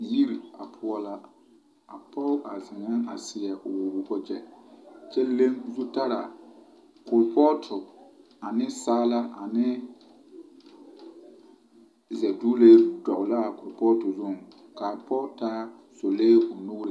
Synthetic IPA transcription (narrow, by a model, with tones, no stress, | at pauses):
ji˦ɾa̰˨pʰʊ˨˦ɔ˦la˦ | a˨pɔ˦ʊ˦ʔa˨zɪ˨ŋ˨˦ŋa̰˨sɪ˨ɛ˨ʔʊ˨wʊ˨bu˦kɔ˦d͡ʒɛ˦t͡ʃɛ˦le˦ŋzu˦ta˦ɾa̰˨ | kʊ˨lpɔ˦tʰʊ˨ | a˨nɪ˦saː˦la˦a˨nɪ˦ | zɛ˨du˦le˦dɔ˨ʔʊ˨la˦˨kʊ˨ɾpɔ˦tʊ˨zʊ˦˨ŋ | ka˨pɔ˦taː˦ | so˨leː˦ʊ˨nu˦ɾɪ˨˦